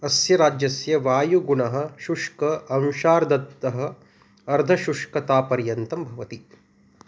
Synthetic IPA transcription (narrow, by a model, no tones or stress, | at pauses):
ɐsjɐɾaːd͡ʒjɐsjɐʋaːjuɡuɳɐɦɐ̆ʃuʂkɐɐwʃaːɾd̪ɐt̪ːɐɦɐ̆ | ɐɾd̪ʱɐʃuʂkɐt̪aːpɐɾjɐnt̪ɐmbʱɐʋɐt̪i